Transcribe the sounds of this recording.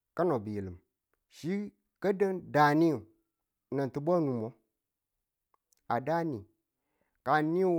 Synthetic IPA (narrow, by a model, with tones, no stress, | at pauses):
ka˦no˨bi˨e˨lɨ˨m | ʃi˦ | kə˦də˦nda˨ni˦˨ | na˨n˨tɨ˨ba˦nu˨mo˨˦ | a˨da˦ni˨ | ka˨ni˦